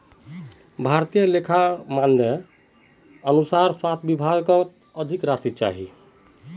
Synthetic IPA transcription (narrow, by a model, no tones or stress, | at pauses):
bʱaɾt̪ijəlekʰamand̪e | ənusaɾswat̪ʰbibʱaɡkɔ | əd̪ʱikɾast̪it͡ʃa̰ɦḭ